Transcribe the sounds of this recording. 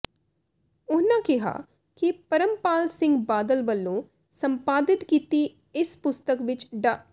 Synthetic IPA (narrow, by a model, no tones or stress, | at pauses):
ʊnãːkɪɦa̰ː | kɪpəɾəmpaːlsɪ̃ŋɡbaːd̪əlʋəlːõː | səmpaːd̪ɪt̪kiːt̪iː | ɪspʊst̪əkʋɪt͡ʃɖaː